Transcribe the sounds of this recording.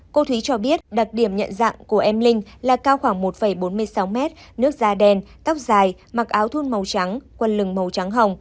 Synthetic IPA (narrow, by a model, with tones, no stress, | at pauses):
ko˧t̪ʰwi˨˦t͡ɕɔ˧ɓi˦˥ət̚ɗa˨˩t̚ɗi˧˩əmɲə̰˧˨nza̰˧˨ŋku˧˩əʔɛ˧mlï˧ŋ̟laː˨˩kaː˧wxwaː˧˩ŋmo˨˩t̚fə˧˩jɓo˨˦nmɨ˧əjsa˨˦wmɛ˦˥t̚nɨ˦˥ək̚zaː˧ɗɛ˧nt̪a˦˥wk͡p̚zaː˨˩j | ma˨˩k̚ʔaː˨˦wt̪ʰu˧nmə˨˩wt͡ɕa˨˦ŋkwə˨˩nlɨ˨˩ŋmə˨˩wt͡ɕa˨˦ŋɦə˨˩wŋ͡m